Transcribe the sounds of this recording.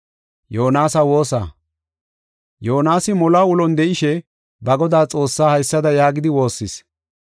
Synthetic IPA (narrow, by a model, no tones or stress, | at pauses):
joːnaːsɐwo̞ːsa̰ː | joːnaːsɪmɔlaːʊlɔnd̪ɛʔɪʃɛ | bɐɡɔd̪aːt͡sʼo̞ːsːaːhɐjsːɐd̪ɐjaːɡɪd̪ɪwo̞ːsːɪs